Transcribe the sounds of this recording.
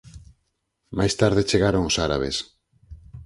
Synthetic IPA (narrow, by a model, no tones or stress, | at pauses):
majst̪aɾðet͡ʃeɣaɾoŋosaɾa̰β̞ḛs